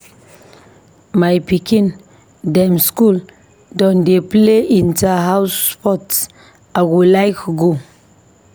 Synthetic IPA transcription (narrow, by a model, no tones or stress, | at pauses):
majpikin | damskul | dɔndepleʔintaɦawspɔts | aɡulajkuɡu